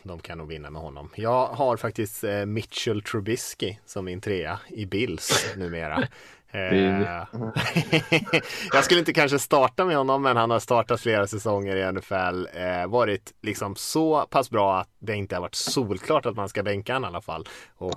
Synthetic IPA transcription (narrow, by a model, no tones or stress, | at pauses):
d̪ɔmkʰanjanuːɡvɪnːa̰mɛ̰hɔnːɔ̰mjɑːɡɦaɾfak̚t̪ɪst̪mɪt̪t͡ʃɛlt̪ʰɾʊbɪskɪsɔmːɪnt̪ʰɾeːaɪbɪlːsnʉ̟ːmḛːɾa̰ | jɑːɡskɵlːɪnt̪əkʰanʂ̬əst̪ɑːʈamɛhɔnːɔmːɛnhanhaʂt̪ɑːʈat̪fleːɾasɛsɔŋːəɾɪɛnɛfɛlːvɑːɾɪt̪lɪksɔmsɔpʰasbɾɑːat̪̚d̪ɛɪnt̪əhaɾvaʈːsuːlkʰlɑːʈat̪manskabɛŋkaanalːafa̰lːɔ